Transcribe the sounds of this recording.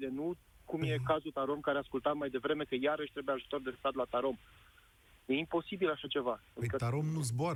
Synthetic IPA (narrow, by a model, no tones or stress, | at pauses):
ilenu | kumje̞kazult̪aɾo̞mkaɾeaskult̪at̪majd̪e̞vɾe̞me̞kəjaɾəʃt̪ɾe̞bujeaʒut̪o̞rd̪e̞st̪at̪lat̪aɾo̞m | jeimpo̞sibilaʃat͡ʃe̞vakət̪aɾomnuzboɾ